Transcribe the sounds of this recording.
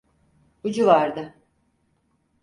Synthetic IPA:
ud͡ʒuvaɾd̪ɯ

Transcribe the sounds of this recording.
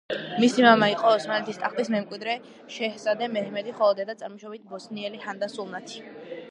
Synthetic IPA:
misimamaiqʼɔɔsmanlɛt̪ʰist̪ʼaχlismɛmkʼwid̪ɾɛ | ʃɛhsad̪ɛmɛhɛmɛd̪iχɔlˠɔd̪ɛd̪at̪sʼaɾmɔʃɔbit̪̚ʰbɔsniɛlihand̪asulˠnat̪ʰi̥

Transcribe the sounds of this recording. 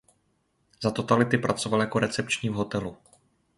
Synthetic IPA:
zat̪o̞t̪alɪt̪ɪpɾat͡so̞valjako̞ɾɛt͡sɛp̚t͡ʃɲiːvɦo̞t̪ɛlu

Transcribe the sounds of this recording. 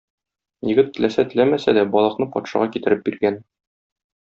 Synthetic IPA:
jɘ̆ɡɘt̪ːɘ̆læsæt̪ɘ̆læmæsæd̪æbɒlˠɤ̆qnɤpɒ̰t̪ʃɑ̰ʁɑkit̪ɘ̆ɾɘp̚biɾɡæn

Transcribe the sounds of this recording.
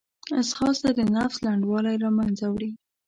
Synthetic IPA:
asxɑsd̪ad̪ənafslaɳɖwɑlajɾɑmanzawɽi

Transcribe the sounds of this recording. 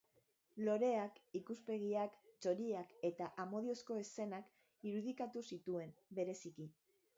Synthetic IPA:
lo̞ɾe̞akikuspe̞ɣ̞iakt͡ʃo̞ɾiake̞t̪aʔamo̞ð̞io̞sko̞ese̞nak | iɾuð̞ikat̪usit̪ue̞mbe̞ɾe̞siki

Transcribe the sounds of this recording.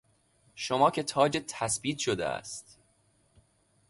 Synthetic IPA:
ʃomɒːcʰʲe̞t̪ʰɒːd͡ʒet̪ʰæsbiːt̪ʃod̪ḛæ̰st̪

